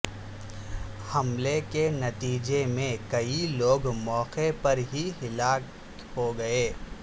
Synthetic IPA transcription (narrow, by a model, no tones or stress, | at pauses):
hɐmlekenɐt̪iːd͡ʒemẽkɐiloːɡmɔːqepɐɾɦiɦɪlaː | hoɡɐeː